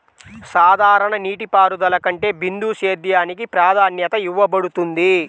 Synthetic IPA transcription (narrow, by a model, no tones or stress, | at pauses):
saːd̪ʱaːɾɐɳɐniːʈipaːɾud̪ɐlɐkɐɳʈe̞ːbind̪uːʃeːd̪jaːnik̬ipɾaːd̪ʱaːnjɐt̪ɐjuʋːɐbɐɽut̪und̪i